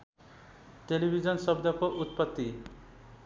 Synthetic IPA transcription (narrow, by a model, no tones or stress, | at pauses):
telibʱid͡zʌnsʌbd̪ʱʌkoʔut̪̚pʌt̪ːi